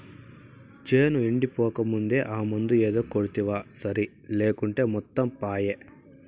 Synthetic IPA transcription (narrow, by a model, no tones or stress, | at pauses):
d͡ʒeːnuiɳɖipɔːkɐmund̪e̞ːʔaːmund̪ueːd̪oːkoɽut̪iʋaːsɐɾi | leːkuɳʈe̞ːmɔt̪ːɐmpaːje